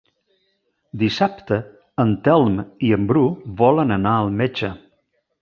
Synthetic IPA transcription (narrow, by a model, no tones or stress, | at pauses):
d̪isapt̪ə | ənt̪ɛlˠmiəmbɾuβɔlənənaəlˠmed͡ʒə